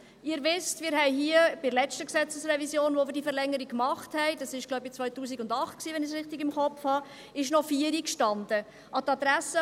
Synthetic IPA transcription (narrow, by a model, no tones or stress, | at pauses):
ɪəɾʋɪstmɪːɾɦɛɪɦiːəbɪlɛt͡ʃtəksɛt͡səsrɛvisjoːnʋovɪɾdifəɾlɛŋːəɾikkːmɑχthɛɪdɑsɪʃɡ̥lɔʊb̚it͡sʋœʏtuːsiɡʊndɑχt̚ksiːʋɛnɪs̬ɾɪχtiɡɪmχɔpfhɑ | ɪʃnɔfiːəɾikʃtɑndə | ʔɑtɑdɾæsə